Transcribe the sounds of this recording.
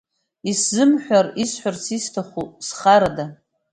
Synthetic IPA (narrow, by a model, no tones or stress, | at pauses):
iszɨmħʷᶣarisħʷᶣarsistʰaχʷusχaɾada